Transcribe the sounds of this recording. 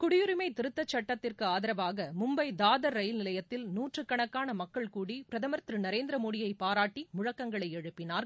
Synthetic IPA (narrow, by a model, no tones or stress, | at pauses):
kʊɽɪjʊɾɯmɐɪt̪ɪɾɯt̪ːɐt͡ʃːɐʈːɐt̪ːɪrkɯaːðɪɾɐʋaːɣɐmʊmbɐɪd̪aːðɐɾːɐjlnɪlɐjɐt̪ːɪlnuːʈrɯkːɐɳɐkːaːnɐmɐkːɐɭkuːɽipɪɾɐðɐmɐɾt̪ɾɯnɐɾeːnd̪ɪɾɐmoːɽɪjɐɪpːaːɾaːʈːimʊɻɐkːɐŋɡɐɭɐɪɛɻɯpːɪnaːɾ